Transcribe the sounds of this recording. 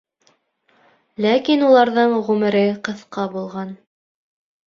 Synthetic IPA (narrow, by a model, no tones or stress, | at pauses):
lækinulˠɑɾðɤɴʁʉmɘ̆ɾɘqɤ̆θqɑbulˠʁɑn